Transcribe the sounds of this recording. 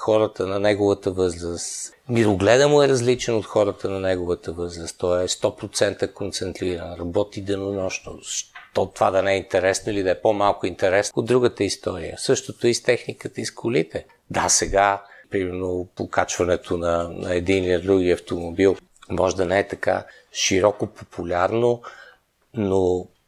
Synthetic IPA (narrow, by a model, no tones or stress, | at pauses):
xɔɾət̪ənɐnɛɡovət̪əvɤzɾəst̪ | miɾoɡlɛd̪əmoɛɾɐzlit͡ʃɛnot̪xɔɾət̪ənɐnɛɡovət̪əvɤzɾəst̪t̪ɔɛst̪ɔpɾot̪sɛnt̪əkont̪sɛnt̪ɾiɾənɾɐbɔt̪id̪ɛnonɔʃnoʃt̪ɔt̪ovad̪ɐnɛɛint̪ɛɾɛsnoilid̪ɐɛpomalˠkʊint̪ɛɾɛsod̪ːɾuɡət̪əist̪ɔɾijə̰sɤʃt̪ot̪oist̪ɛxnikət̪əiskʰʊlit̪ɛ | d̪asɛɡapɾimɛɾnopokat͡ʃvɐnɛt̪ʰonɐnɐɛd̪iniliɐd̪ɾuɡiɐft̪omobilˠ | mɔʒɛd̪ɐnɛɛt̪ɐka̰ | ʃiɾɔkopopʰulʲaɾno | no